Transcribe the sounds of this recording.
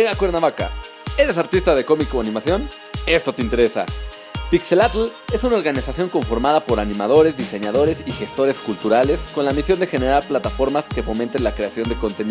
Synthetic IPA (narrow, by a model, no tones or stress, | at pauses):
eɣakweɾnaβaka̰ | e̞ɾe̞s̬aɾt̪ist̪aðe̞ko̞mikoanĩmasjo̞n | e̞st̪o̞t̪e̞int̪e̞ɾe̞sa̰ | pikse̞lat̪le̞sunao̞ɾɣanisasjo̞ŋko̞ɱfo̞ɾmaðapo̞ɾanĩmaðo̞ɾe̞zðise̞ɲaðo̞ɾe̞sixe̞st̪o̞ɾe̞skult̪uɾale̞sko̞nlamisjo̞nd̪e̞xe̞ne̞ɾaɾplat̪afo̞ɾmaske̞fo̞mẽnt̪e̞nlakɾe̞asjo̞nd̪eko̞nt̪eni